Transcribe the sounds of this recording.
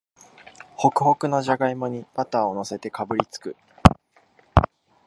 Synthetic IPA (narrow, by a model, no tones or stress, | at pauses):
ho̞kɯ̟ho̞kɯ̟no̞ʑaɡaimo̞ɲ̟ibat̪aːo̞no̞se̞t̪e̞kabɯ̟ɾʲit͡sɨ̥kɯ̟